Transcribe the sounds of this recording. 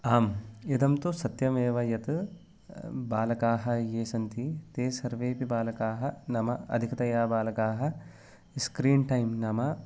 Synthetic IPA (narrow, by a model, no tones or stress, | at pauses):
aːmed̪ɐmt̪usɐt̪jɐmeːʋɐjɐt̪ɨ | baːlɐkaːɦɐjeːsɐnt̪it̪eːsɐɾʋeːpibaːlɐkaːɦɐnɐmɐɐ̰d̪ʱikɐt̪ɐjaːbaːlɐkaːɦɐ | skɾiːɳʈɐjmnɐmɐ